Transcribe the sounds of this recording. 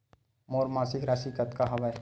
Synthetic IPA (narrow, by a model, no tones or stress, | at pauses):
moːɾmaːsɪkɾaːsikət̪kaɦɐʋəj